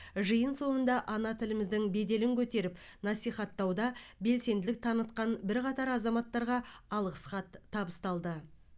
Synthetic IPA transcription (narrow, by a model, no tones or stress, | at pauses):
ʒəjənso̞mənd̪ɑʔɑnɑt̪ʰɪlɪmɪzd̪ɪŋbe̞d̪e̞lɪŋkʲʰɵt̪e̞ɾɪpnɑsijχɑt̪ːɑwd̪ɑbe̞lse̞nd̪ɪlɪk̚t̪ʰɑnət̪qɑnbɪɾqɑt̪ɑɾɑzɑmɑt̪ːɑɾʁɑɑlˠʁəsχɑt̪ʰːɑbəst̪ɑlˠd̪ə